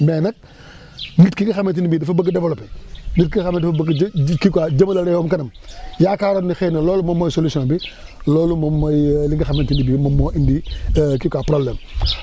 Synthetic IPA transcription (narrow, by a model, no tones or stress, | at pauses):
mɛnɐk̚ | nitkiɡɐxɐment̬inibiːdɐfɐbɐɡɐdɛbolɔpɛnit̚kikxɐmːntdɐfɐbkkikad͡ʒɐmɐlɐɾɛjɔmkɐnɐm | jaːkaːɾonːixɛnɐlɔːlumɐmːojsolusɔ̃nbilɔːlumɐmːɐjliɡɐxɐmentinibiːmɐmoʔindikikapɾoblɛːm